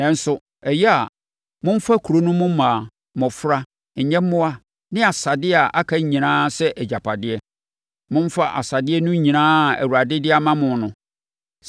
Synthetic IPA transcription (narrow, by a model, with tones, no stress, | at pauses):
nɛ̃˨n̩˦sʊ˦ | ɛ˨jɛ˦a˨ | mʊ̃˦m̩˦fa˦kʰu˨ɾo˦nʊ̃˦mʊ̃˦mãː˨ | mɔ̃˨fɾa˦ | ɲ̩˨ɲɛ̃˦mː˦ʊ̃˦a˦ | nɪ̃˦a˨sa˨dɪ˦a˨ʔa˦kʰa˦ɲĩ˨nãː˦sɛ˦ʔd͡ʑa˨pʰa˨dɪ˦ɛ˦ | mʊ̃˦m˦fa˦ʔa̰˨sa˨dɪ˦ɛ˦nʊ̃˦ɲĩ˨nãː˦˨æ̰˨wu˨ɾa˨dɪ˦dɪ˦a˦mã˦mʊ̃˨˦nʊ̃˦